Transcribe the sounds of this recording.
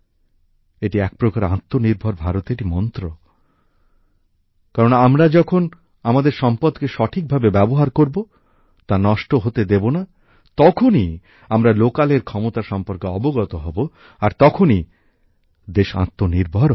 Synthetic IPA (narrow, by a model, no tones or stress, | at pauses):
eʈiɛk̚pɾokaɾã̰t̪ːoniɾbʱoɾbʱaɾot̪eʈimɔnt̪ɾo | kaɾonaamɾad͡ʑɔkʰon | amad̪eɾʃɔmpod̪keʃɔʈʰik̚bʱabebɛboɦaɾkoɾbo | t̪anɔʃʈoɦot̪ed̪ebona | t̪ɔkʰoni | amɾalokaleɾkʰɔmot̪aʃɔmpoɾkeɔboɡɔt̪oɦɔbo | aɾt̪ɔkʰoni | d̪eʃã̰t̪ːoniɾbʱoɾ